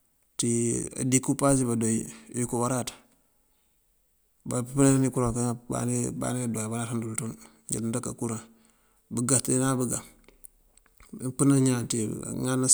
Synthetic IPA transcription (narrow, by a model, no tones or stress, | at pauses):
tia̰dikːupas̬ibadojjukuwaɾat | bappnaanikuɾakaba̰niba̰nidojbaɾaːthandulton | ɲa̰ddaka̰kuɾa | bəɡatinabəɡa | pənaɲantḭŋana